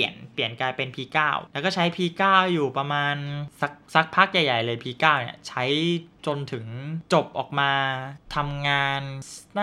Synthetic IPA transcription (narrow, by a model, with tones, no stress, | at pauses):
i˨˩ənpli˨˩ənkaː˧jpe˧npʰiː˧kaː˥˩wlɛː˧˦˥wkɔː˥˩t͡ɕʰa˦˥jpʰiː˧kaː˥˩wjuː˨˩pɾa˧maː˧nsa˧˦˥k̚sa˦˥k̚pʰa˦˥k̚ja˨˩jːa˨˩jlɤː˧jpʰiː˧kaː˥˩wnḭ˥˩ɐt͡ɕʰa˦˥jt͡ɕo˧nt̪ʰɯ˩˦ŋt͡ɕo˨˩p̚ʔɔː˨˩k̚maː˧t̪ʰa˧mŋaː˧nna˥